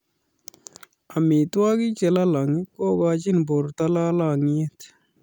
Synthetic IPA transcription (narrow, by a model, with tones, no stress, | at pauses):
a˨mi˨t̪wa˦ɡi˦t͡ʃe˨la˦la˨ŋikoː˦ɡaːt͡ʃi˦nbo˨ɾt̪a˦la˦la˨ŋie˦t̪